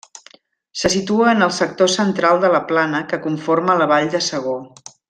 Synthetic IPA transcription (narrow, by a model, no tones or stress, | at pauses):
səsit̪uəːnəlˠsək̚t̪osənt̪ɾalˠd̪ələplanəkəkuɱformələβaʎd̪əsəɣ̞o